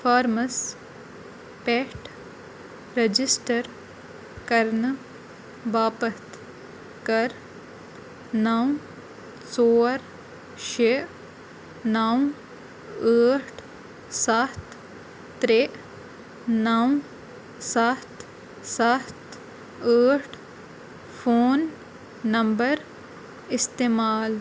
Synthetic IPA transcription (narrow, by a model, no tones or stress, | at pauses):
fʰaːɾmɐs | peʈ | ɾed͡ʒisʈɐɾ | kɐɾn | ʋaːpɐt̪ | kɐɾ | naw | t͡soːɾ | ʃe | naw | əːʈʰ | sat̪ʰ | t̪ɾeʔ | naw | sat̪ʰ | sat̪ʰ | əːʈ | fʰoːnː | ɐmbəɾ | ɪst̪eːmaːl